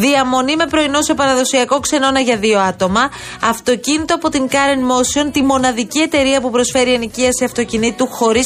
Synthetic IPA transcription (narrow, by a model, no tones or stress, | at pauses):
ðiɐmo̞nime̞pɾo̞ino̞sopɐɾɐðo̞siɐko̞kse̞no̞nɐʝɐðioɐt̪omɐ | ɐft̪o̞cinit̪oɐpo̞t̪iŋkɐɾenmo̞sio̞nt̪imo̞nɐðicie̞t̪e̞ɾiɐpupɾo̞sfe̞ɾiɐniciɐsiɐft̪o̞cinit̪uxo̞ɾis